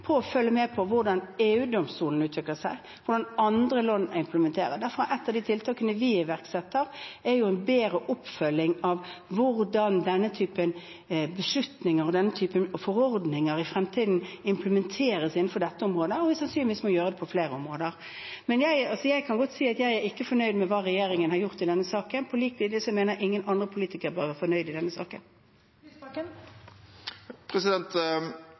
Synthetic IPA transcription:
pʰɔːfœlːəmɛpʰɔʋʊɾɖɑneːʉːd̪ɔmst̪uːln̩ʉːt̪ʋɪkləsæɪ | ʋʊɾɖɑnɑnd̪ɾəlonːɪmpləmɛnt̪ʰeːɾədæɾfɔɾɑʔɛt̪ːɑʋd̪ɪt̪ʰɪlt̪ʰɑːkənəʋɪɪʋæʁksɛt̪ːəɾɛɾjʊɛnbeːɾəʔʊpːfœlːɪŋɑʋʋʊɾdɑnd̪ɛnːət̪ʰyːpən | bəslʉt̪nɪŋəɾɔd̪ɛnːət̪ʰyːpənfɔɾɔɾd̪nɪŋəɾɪfɾɛmt̪ʰiːd̪n̩ɪmpləmɛnt̪ʰeːɾəsɪnːn̩fɔɖ̪ɛt̪ːəɔmʁoːd̪əɔɛsɑnsyːnɪʋiːsmɔjøːʁəd̪ɛpʰɔfleːɾəɔmʁoːd̪əʁ | mɛnjæɪɑlsɔjæɪkʰɑnɡɔt̪ːsiːɑt̪jæɪæɾɪkːəfɔnœʏd̪mɛʋɑːʁɛjeːɾɪŋənhɑɾjʊʁt̪ɪd̪ɛnːəsɑːkənpʰɔliːk̚t̪ʰiːd̪ɪsɔmeːnəɾʔɪŋːənɑnd̪ʁəpʰʊliːt̪ɪkəɾbɑːæfɔnœʏd̪ɪd̪ɛnːəsɑ̰ːkə̰n | pʰɾɛsɪd̪ɛnt̪

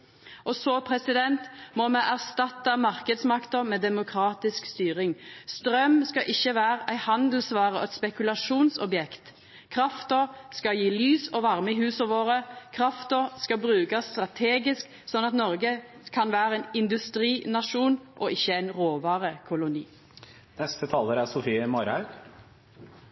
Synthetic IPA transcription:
ʔɔsɔpʰɾɛsɪd̪ɛnt̪mɔmɛʔæʁst̪ɑt̪ːɑmɑʁkəd̪smɑkt̪əmeːd̪ɛmʊkʰɾɑːt̪ɪskst̪yːɾɪŋst̪ɾœmskɑʔɪçːəʋæːɾæɪhɑnd̪l̩sʋɑːʁəɔɛt̪spɛkʉlɑʂuːnsɔbjɛkt̪ | kʰʁɑft̪əskɑjiːlyːsɔʋɑʁmɪhʉːsəʋoːɾəkʰʁɑft̪əskɑbʁʉːkɑsːt̪ʁɑt̪ʰeːɡɪsk | sɔnɑt̪nɔʁɡə | kʰɑnʋæːʁəɛnɪnd̪ʉst̪ʁiːnɑʃuːnʔɔɪçːəæɪnʁoːʋɑːʁəkʰʊlʊnḭː | nɛst̪ət̪ʰɑːləɾæsʊfiːəmɔɾɑʉ

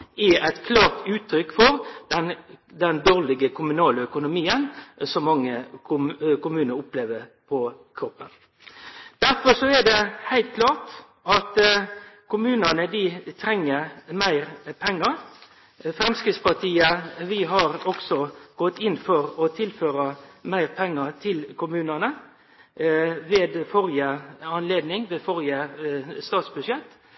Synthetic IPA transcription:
ɪæt̪kʰlɑːʁt̪ʉːt̪ʰːɾʏkːfɔɾd̪ɛnd̪ɛnd̪oːʁlɪɡəkʰʊmʉnɑːlœkʊnʊmiːənsɔmːɑŋːə | kʊmʉːnəɾʊpleːʋəɾpʰɔ | kʰɾɔpːən | d̪̥æɾfɔʂɔɛd̪ɛhæɪlt̪̚kʰlɑːʈ | ɑt̪ | kʰʊmʉːnənəd̪ɪt̪ʰɾɛŋːəɾmæɪɾpʰɛŋːɑɾ | fɾɛmskɾɪːd̪spɑʈʰiːəʋɪɦɑɾɔksɔɡ̥ɔt̪ːɪnːfɔɾɔt̪ʰɪlføːɾəmæɪɾpʰɛŋːət̪ʰɪlkʰʊmʉːnənə | ʋeːd̪fɔɾjəɑnleːd̪nɪŋʋeːfɔɾjəst̪ɑːt̪sbʉʂjɛt̪ː

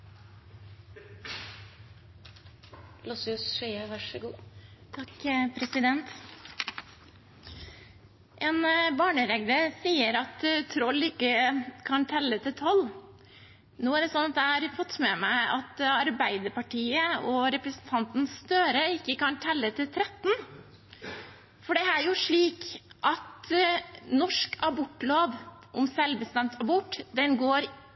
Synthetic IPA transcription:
lɔsʉsʃɛəʋɑʂəɡuːt̪ʰɑkpʰɾɛsɪd̪ɛnt̪ | ʔeːnbɑːɳəɾɛɡləɾsiːəɾɑt̪t̪ʰɾɔlːɪkːəkʰɑnt̪ʰɛlːət̪ʰɪt̪ʰɔlː | nuːæɖɛsɔnːɑt̪̚d̪ɛhɑɾfɔt̪ːmɛmæɪɑt̪ɑɾbæɪd̪əɾpɑʈʰiːəɔɾɛpɾəsnt̪ʰɑnt̪n̩sst̪øːɾəɪkːəkɑnt̪ʰɛlːət̪ʰɪlt̪ʰɾɛt̪ːn̩ | fɔɖɛæɾjʊʂɭiːkʔɑt̪ | nɔʂkɑbɔʈːloːʋ | ʔɔmsɛlbəst̪ɛmt̪ʰɑbɔʈːd̪ɛnɡoːɾ

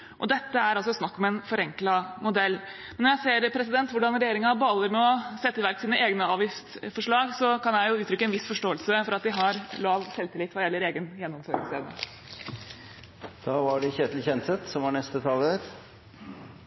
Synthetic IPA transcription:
ʔɔd̪ɛt̪ːəæɾɑlsɔsnɑkːɔmɛnfɔɾɛŋklɑmʊd̪ɛlːmɛnːɔɾjæɪseːɾpʰɾɛsɪd̪ɛnt̪ʋʊɖɑnɾɛjeːɾɪŋɑbɑlːəɾmɛɔsɛt̪ːəʋæɾksiːnəʔeːɡnəɑːʋɪft̪fɔʂɭɑːɡsɔkʰɑnjæɪjʊʉːt̪ʰɾʏkːəɛnʋɪsfɔʂʈoːəlsəfɔɾɑt̪d̪ɪɦɑɾlɑːʋsɛlt̪ɪlɪt̪ːʋɑɾjɛlːəɾeːɡənjɛnːɔmføːɾɡɪ̰sḛːʋnə̰ | d̪̥ɑːʋɑɖɛçeːt̪lçɛnsɛt̪sɔmʋɑɳɛst̪ət̪ʰɑləɾ

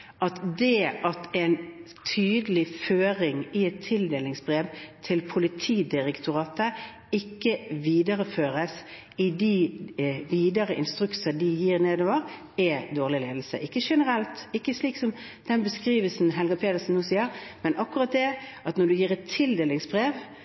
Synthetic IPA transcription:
ʔɑt̪d̪ɛʔɑt̪ɛɪn | t̪ʰyːd̪əlɪføːɾɪŋɪɛt̪ʰːɪld̪eːlɪŋsbɾeːʋt̪ʰɪlpʰʊlɪt̪ʰiːd̪ɪʁɛkt̪ʰʊʁɑːt̪ə | ɪkːəʋiːd̪əɾəføːɾəs | ɪd̪i | ʋiːd̪əɾəʔɪ̰nst̪ʁʉksəd̪ɪjiːʁneːd̪oːʋəʁ | ɛd̪oːʁlɪleːd̪l̩sə̰ʔɪkːəʂɛnəʁɛlt̪ɪkːəsliːksɔm | d̪̥ɛnbəskɾiːʋəlsn̩ɦɛlɡɑpʰeːt̪əɾsn̩nːuːsiːəɾmɛnʔɑkːʉʁɑt̪̚d̪ɛʔɑt̪nɔɖ̪ʉjiːʁɛt̪ʰːɪld̪eːlɪŋsbɾeːʋ

